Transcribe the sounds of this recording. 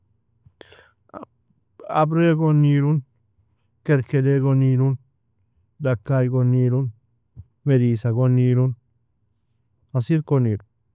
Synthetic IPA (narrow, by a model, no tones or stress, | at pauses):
a̰bɾeɡoniɾun | keɾkedeɡoniɾun | dakːajɡonːiɾun | medisaɡonːiɾun | asiɾkoniɾu